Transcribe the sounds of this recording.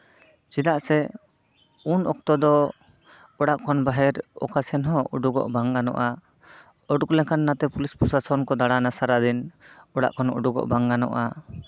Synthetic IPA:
t͡ʃid̪aʔsɛ | unɔ̰k̚t̪ɔd̪ɔ | ɔɽaʔkʰɔnbaɦɛɾɔ̰kasɛnɦɔ̃ṵɖuɡɔ̰ʔbaŋɡanɔ̰ʔa | ɔɖuklɛkanːat̪ɛpulispusasɔnkɔd̪aɽanasaɾad̪inɔɽa̰ʔkɔnṵɖuɡɔ̰ʔbaŋɡanɔ̰ʔa

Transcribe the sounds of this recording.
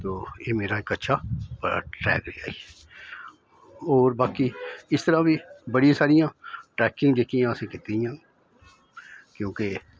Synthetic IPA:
t̪oːjeːmeːɾaeːkətːʃʰaːpʈɾɛ̰ːkɾea̰ːi | ɔːɾbaːkiɪst̪əɾãːbiːbəɽijãːsaːɾɪjãːʈɾɛːkɪ̃ŋɡd̪eːk̪ɪjãːsekɪt̪eɪjãː | kjõːke

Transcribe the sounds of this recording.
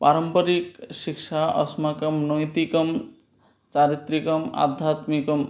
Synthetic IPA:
paɾɔmpʌɾikʃikʃaʌ̰smakɔmnɔjt̪ikɔm | t͡ʃaɾit̪ɾikɔma̰d̪ʱːat̪mikɔm

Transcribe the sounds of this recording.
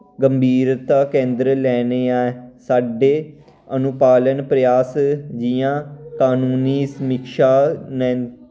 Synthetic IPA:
ɡəmbʱiːɾt̪aːkẽːnd̪ɾlɛːneːaːesaːɖeː | ənʊpaːlənpɾəjaːsd͡ʒijãːkaːnuːniːsəmɪkʃaːnɛ̃ː

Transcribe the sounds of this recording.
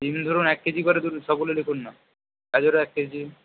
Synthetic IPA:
imd̪ʱoɾunɛkːed͡ʑikɔɾed̪uɾʃɔb̚ɡulelekʰunːa | kad͡ʑoɾoɛkːed͡ʑi

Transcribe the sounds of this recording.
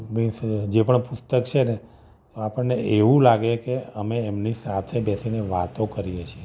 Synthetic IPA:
bĩsd͡ʒepəɳpʊst̪əkt͡ʃʰene | t̪oapəɳːeʔeʋũlaɡekeəmeːmnisat̪ʰebɛsineʋat̪okəɾijet͡ʃʰe

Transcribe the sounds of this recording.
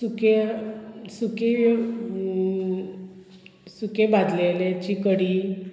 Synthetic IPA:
suke | suke | sukebad̪lelet͡ɕikəɽiː

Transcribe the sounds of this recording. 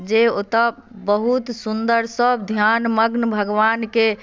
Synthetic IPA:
d͡ʒeot̪ə | bəɦut̪sund̪əɾsəb̚d̪ʱjanməɡnbʱəɡʋanke

